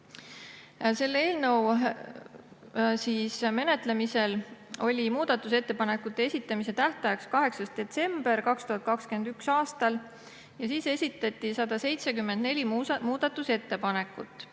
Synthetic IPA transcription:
se̞lːee̞ːlnɤ̞w | siːsme̞ne̞t̪le̞mise̞lo̞lʲimuːd̪̥ɑt̪ːˑuse̞t̪ːepɑne̞kːˑut̪ːˑe̞esʲit̪ːˑɑmise̞t̪æht̪ɑjɑkskɑɦe̞ksɑst̪d̪̥e̞t̪se̞mb̥e̞rkɑkst̪uɦɑt̪̚kɑkskeend̪yksɑːst̪ɑl | jɑsiːse̞sʲit̪ːˑɑt̪ʲˑːisɑd̪̥ɑse̞jt̪sekymːend̪̥ne̞lʲimmuːd̪̥ɑt̪ːˑuse̞t̪ːe̞pɑne̞kːˑut̪ːˑ

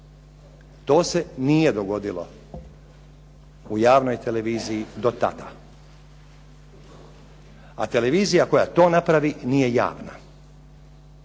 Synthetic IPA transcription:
t̪o̞ːse̞nije̞d̪o̞ɡo̞d̪ilo̞̰ | ujaːʋno̞jt̪ele̞ʋiːzijid̪o̞t̪a̰d̪a̰ | at̪e̞le̞ʋiːzijako̞ja̰t̪o̞ːnapɾaʋinije̞ja̰ːʋna̰

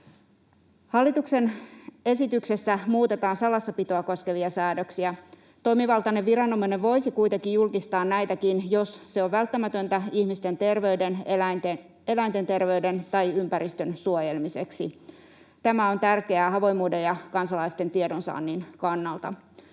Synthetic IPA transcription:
hɑlːit̪ukse̞ne̞sit̪ykse̞sːæmuːt̪e̞t̪ɑːnsɑlɑsːɑpit̪oɑko̞ske̞ʋiɑsæːdøksiæ | t̪o̞jmiʋɑlˠt̪ɑneʋʋiɾɑnːomɑineʋʋo̞jsikujt̪eŋkijjulkist̪ɑːnnæjt̪ækinjo̞sse̞oʋʋælt̪ːæmæt̪ønt̪æihmist̪e̞nt̪e̞rʋe̞yde̞nelænt̪en | e̞læint̪e̞nt̪e̞rʋe̞yde̞nt̪ɑjympæɾist̪ønsuojelmise̞ksḭ | t̪æmæo̞nt̪ærkeæːhɑʋo̞jmuːde̞jɑkɑnsɑlɑist̪e̞nt̪iedonsɑ̰ːnːinkɑnːɑlt̪ɑ̰

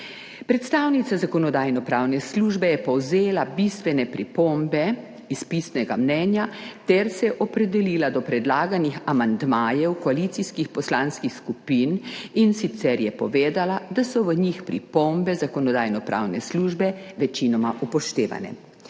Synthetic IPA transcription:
pɾɛt̪st̪aːwnit̪sazakɔnɔd̪aːjnɔpɾaːwnɛsluʒbɛjɛpɔwzeːlabist̪ʋɛnɛpɾipombɛ | ispisnɛɡamnɛːnjat̪ɛɾsɛʔɔpɾɛd̪ɛliːlad̪ɔpɾɛd̪laːɡanixamand̪maːjɛwkɔalit̪siskixpɔslanskixskupiːninsit̪sɛɾjɛpɔʋeːd̪alad̪asɔʋəɲixpɾḭpombɛzakɔnɔd̪aːjnɔpɾa̰ːwnɛsluʒbɛʋɛt͡ʃinɔmaʔupɔʃt̪eːʋa̰nɛ̰

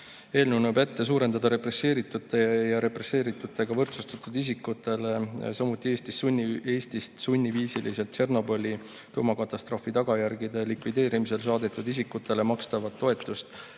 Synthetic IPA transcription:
e̞ːlnunube̞t̪ːe̞s̬uːɾe̞nd̪ɑd̪ɑɾe̞pre̞se̞ːɾit̪ːut̪ːˑejɑɾe̞pre̞se̞ːɾit̪ːˑut̪ːˑe̞ɡ̥ɑvɤrt̪sust̪ɑt̪ːˑud̪̥is̬ikːut̪ːe̞le̞sɑmut̪ːˑie̞ːst̪isːunʲːie̞ːst̪ist̪sunʲːiviːsilise̞lt̪t͡ʃe̞rno̞bo̞lʲi | t̪uːmɑkɑt̪ˑːɑst̪ro̞ːfit̪ɑɡ̥ɑjærɡid̪e̞likvid̪e̞ːɾimise̞ls̬ɑːd̪et̪ːˑud̪isikːut̪ːˑe̞le̞mɑkst̪ɑvɑt̪ːo̞e̞t̪ːˑust̪

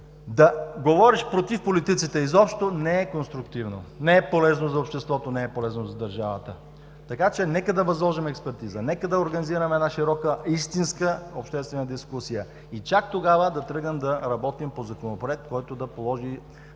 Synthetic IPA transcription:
d̪ɐɡovɔɾiʃpɾot̪ifpolit̪it̪sit̪ɛizɔpʃt̪onɛɛkonst̪ɾʊkt̪ivno̰nɛɛpolɛznozɐopʃt̪ɛst̪vɔt̪onɛɛpolɛznozɐd̪ɐɾʒavət̪ə | t̪ɐkat͡ʃɛnɛkəd̪ɐvɐzlˠɔʒimɛkspɛɾt̪izənɛkəd̪ɐoɾɡɐniziɾəmɛd̪naʃiɾɔkəist̪inskəopʃt̪ɛst̪vɛnəd̪iskusijə | it͡ʃak̚t̪oɡavəd̪ɐt̪ɾɤɡnəmd̪ɐɾɐbɔt̪impozɐkonopoɾɛk̚t̪̚kɔjt̪oʊd̪ɐpolˠɔʒi

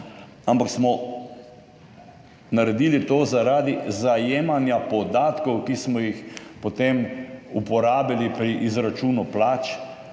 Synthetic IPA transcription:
ampaksmɔ | naɾɛd̪iːlit̪oːzaɾaːd̪izajeːmanjapɔd̪aːt̪kɔwkismɔjixpɔt̪emupɔɾaːbilipɾiʔizɾat͡ʃuːnuplaːt͡ʃ

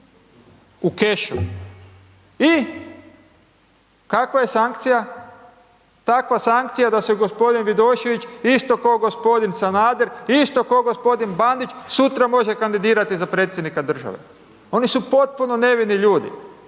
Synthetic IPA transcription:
uke̞ʃṵ | i | kakʋaje̞saŋkt̪sija | t̪akʋasaŋk̚t̪sijad̪aseɡo̞spo̞d̪inʋid̪o̞ːʃeʋit͡ʃist̪o̞koːɡo̞spo̞d̪insanaːd̪eɾist̪o̞koɡo̞spo̞d̪inband̪it͡ʃsut̪ɾamo̞ʒe̞kand̪id̪iːɾat̪izapɾet̪sjed̪nikad̪r̩ʒa̰ʋḛ | o̞nisupo̞t̪̚puno̞ne̞ʋiniʎuːd̪ḭ

